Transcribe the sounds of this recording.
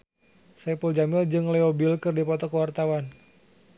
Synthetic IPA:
sɛpuld͡ʒamɪld͡ʒɨŋlɛobilkɨrdipɔt̪ɔkəwart̪awan

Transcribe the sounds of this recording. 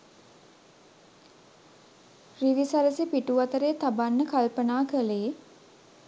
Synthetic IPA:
riʋisaɾəsipiʈuʋat̪əɾeːt̪abanːəkalpənaːkəle

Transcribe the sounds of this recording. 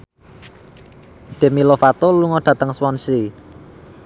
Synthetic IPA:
d̪̥ɛ̤milofat̪oluŋɔɖ̥ä̤t̪əŋswɔnsi

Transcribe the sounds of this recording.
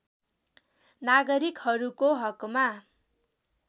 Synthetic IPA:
naɡʌɾikhʌɾukoɦʌkma

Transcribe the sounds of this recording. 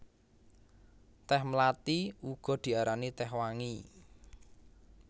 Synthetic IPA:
t̪ɛhmlat̪iuɡ̥ɔ̤d̪̥i̤aɾanit̪ɛhwaŋi

